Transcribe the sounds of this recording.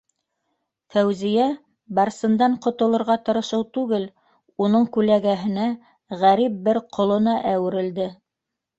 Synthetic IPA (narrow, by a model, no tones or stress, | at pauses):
fæwzijæ | bɑɾsɤ̆nd̪ɑɴqŏt̪ŏlˠŏɾʁɑt̪ɤ̆ɾɤ̆ʃɤwt̪ʉɡɘl | unɤɴkʉlæɡæɦɘ̆næ | ʁæɾip̚bɘɾqʰŏlˠɤ̆nɑʔæwɘ̆ɾɘ̆ld̪ɘ